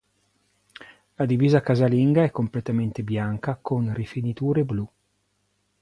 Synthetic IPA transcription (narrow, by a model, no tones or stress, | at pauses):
lad̪iviːzakazaliŋɡaɛkːomplet̪ament̪ebjaŋkakʰonrifinit̪uːɾeblu